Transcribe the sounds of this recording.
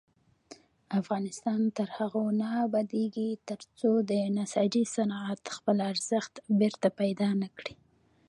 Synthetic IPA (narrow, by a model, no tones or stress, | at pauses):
afɣɑnɪst̪ɑnt̪əɾhaɣonabad̪eɡit̪əɾt͡sod̪ənasɑd͡ʒisanɑat̪xpəlaɾz̥əxt̪beɾt̪apajd̪ɑnakɽi